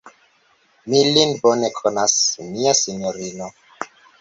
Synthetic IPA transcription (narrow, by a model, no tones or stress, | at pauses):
milinbonekʰonasmiasinjoɾino